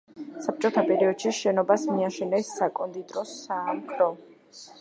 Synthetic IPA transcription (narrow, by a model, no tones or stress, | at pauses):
sap̚t͡ʃʼɔt̪ʰapʼɛɾiɔd̪̥ʃiʃɛnɔbasmiaʃɛnɛsːakʼɔnd̪it̪ʼɾɔsamkʰɾɔ